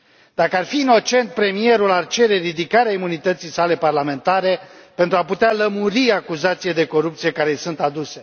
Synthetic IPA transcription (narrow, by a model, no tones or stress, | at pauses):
d̪̥akəarfiːno̞t͡ʃe̞nt̪̚pɾe̞mie̞ɾulart͡ʃe̞ɾe̞ɾid̪ikaɾeaimunit̪ət̪sijsale̞parlame̞nt̪aɾe̞pe̞nt̪ɾuaput̪ealəmuɾiakuzat̪sijed̪e̞ko̞ɾup̚t̪sije̞kaɾesunt̪ad̪use̞